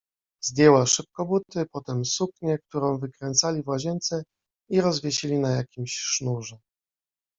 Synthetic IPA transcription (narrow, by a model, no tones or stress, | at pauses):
zd̪ʲjɛwaʂɘp̚kɔbut̪ɘpɔt̪ɛmsukɲɛk̚t̪uɾɔ̃w̃vɘkɾɛnt̪salʲivwaʑɛnt̪sɛ | iɾɔzvʲjɛɕilʲinajakʲimɕʂnuʐɛ